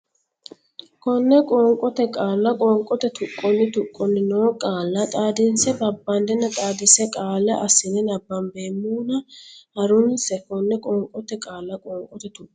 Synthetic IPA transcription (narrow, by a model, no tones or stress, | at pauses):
kɔnːɛkʼoːŋkʼɔt̪ɛkʼaːlːɐkʼɔːŋkʼɔt̪ɛt̪ʰʊkʼːɔnːɪt̪ʊkʼːɔnːɪno̞ːkʼaːlːɐt̪ʼaːd̪ɪnsɛbɐbːɐnd̪ɛnːɐt̪ʼaːd̪ɪsɛkʼaːlːɐʔɐsɪnɛnɐbːɐmbe̞ːmːuːnɐhɐɾʊnsɛkɔnːɛkʼɔːŋkʼɔt̪ɛkʼaːlːɐkʼɔːŋkʼɔt̪ɛt̪ʊʔʼ